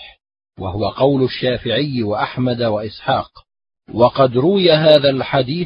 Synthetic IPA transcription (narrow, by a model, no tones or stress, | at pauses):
wa̰hʊwaqɑwlʊʃːaːfɪʕɪjːwaʔaħmad̪waʔɪsħɑːq | wɑqɑd̪ɾʊwɪjaɦaːðalħad̪iː